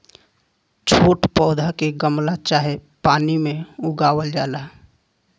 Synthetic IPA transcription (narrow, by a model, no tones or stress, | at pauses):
t͡ʃʰoːʈpɔːd̪ʱakeɡəmlat͡ʃaːɦepaːnimẽʊɡaːwəld͡ʒaːla